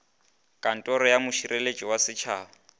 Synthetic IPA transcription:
kʼan̩tʼɔɾɔjamʊʃiɾʔelet͡ʃʼiwasɪt͡ʃʰaːɔ

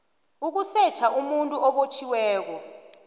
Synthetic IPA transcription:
uk̬usɛt͡ʃʰaʔumuntʼuʔɔɓot͡ʃʰiwɛːk̬ɔ

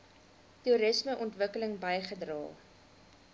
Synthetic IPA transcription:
tuɾəsməʔɔntvəkələŋbɐjχədrɑ̰ː

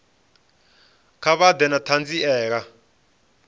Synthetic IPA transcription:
kʰaβad̪ɛnatʰand͡ziɛːk̬a

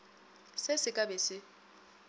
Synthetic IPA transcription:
sɪsɪkʼabɛsɪ

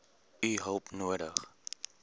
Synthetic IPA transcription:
yɦowpnuəɾə̰χ

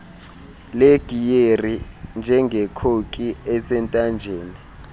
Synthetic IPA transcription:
leɡ̥ʱijerind͡ʒʱɛŋɡʱɛkʰokʼiɛsɛntʼand͡ʒʱeːni

